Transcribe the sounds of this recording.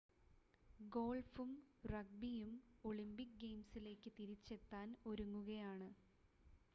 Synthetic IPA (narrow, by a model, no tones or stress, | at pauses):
ɡo̞ːɭfumrɐɡ̚bijumo̞ɭimbik̚ɡe̞jmsile̞ːkːɨt̪iɾit͡ɕːe̞t̪ːaːno̞ɾuŋːuɣɐjaːɳɨ